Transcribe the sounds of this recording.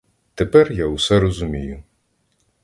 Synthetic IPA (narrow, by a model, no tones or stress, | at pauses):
t̪epɛrjawsɛɾɔzʊmʲijʊ